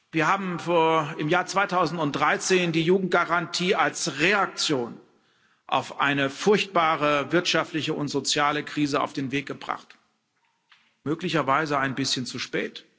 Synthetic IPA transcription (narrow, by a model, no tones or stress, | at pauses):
viːɐhaːbm̩foːɐɪmjaːɐt͡sv̥aɪtʰaʊzn̩tʊntd̥ʁaɪt͡seːndiːjuːɡŋ̩t̚ɡ̥aʁantʰiːalsʁeak̚t͡sjoːn | ʔa̰ʊfʔa̰ɪnəfʊɐçt̚b̥aːʁəvɪɐtʃaftlɪçəʊntz̥ot͡sjaːləkʁ̥iːzəa̰ʊfd̥eːnveːk̚ɡ̥əbʁa̰χt | møːklɪçɐvaɪzəaɪnbɪsçənt͡suʃpɛːt